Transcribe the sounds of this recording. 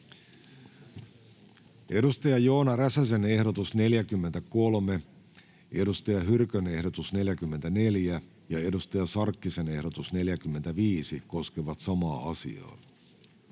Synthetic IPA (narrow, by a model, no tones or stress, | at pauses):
e̞dust̪ɑjɑjo̞ːnɑɾæsæsene̞hdo̞t̪usne̞ljækymːent̪æko̞lme | e̞dust̪ɑjɑɦyrkøne̞hdo̞t̪usne̞ljækymːent̪æne̞ljæ | jɑe̞dust̪ɑjɑsɑrkːise̞nehdo̞t̪usne̞ljækymːent̪æʋiːsiko̞skeʋɑt̪sɑmɑːɑsḭɑ̰ː